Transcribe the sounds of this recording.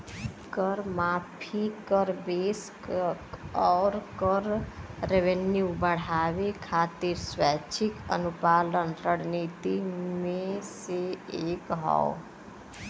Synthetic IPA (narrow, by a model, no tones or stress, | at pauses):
kəɾmapʰikəɾbesk | ɔɾkəɾːeʋenjubəɽ̤aʋekʰat̪iɾswat͡ʃʰikə̰nupalənɾəɽ̤nit̪imẽseekɦɔ̰o